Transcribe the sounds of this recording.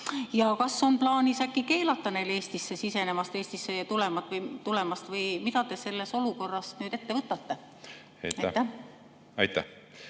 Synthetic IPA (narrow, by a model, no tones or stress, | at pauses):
jɑkɑsːo̞nplɑːnisækːike̞ːlɑt̪ˑːɑne̞jle̞ːst̪isːe̞sise̞ne̞mɑst̪eːst̪isːe̞jɑt̪ule̞mɑt̪ːˑvɤjt̪ule̞mɑst̪vɤjmit̪ɑt̪e̞se̞lːe̞so̞luko̞rːɑsnyːd̪e̞t̪ːevɤt̪ːˑɑt̪ːe̞ | ɑ̰jtɑjt̪ːæ | ɑ̰jt̪ːæ̰